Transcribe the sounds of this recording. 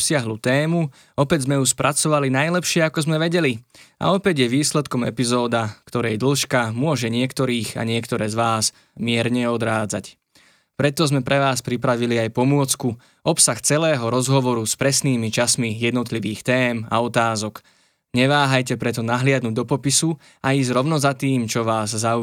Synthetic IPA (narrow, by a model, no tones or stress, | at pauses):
sɪaɦlut̪ɛːmu | ɔpɛɟzmɛuspɾʔat͡sɔʋalinajlɛpʃɪɛakɔzmɛʋɛɟɛlia̰ɔpɛɟjɛʋiːslɛt̪kɔmɛ̰pizɔːd̪akt̪ɔɾɛjd̪l̩ʃkamʊɔʒɛɲɪɛkt̪ɔɾiːɣa̰ɲɪɛkt̪ɔɾɛːzʋaːz | mɪɛɾɲɛɔd̪ɾaːd͡zac | pɾɛt̪ɔzmɛpɾɛʋaːspɾipɾaʋiliajpɔmʊɔt͡sku | ʔɔpsaxt͡sɛlɛːɦɔɾɔzɦɔʋɔɾuspɾɛsniːmit͡ʃasmijɛd̪nɔt̪liʋiːxt̪ɛːma̰ɔt̪aːzɔk | ɲɛʋaːɦajcɛpɾɛt̪̬ɔnaɦlɪad̪nuːɟ̚d̪ɔpɔpisu | aiːzɾɔʊnɔzat̪iːmt͡ʃɔʋaːzzau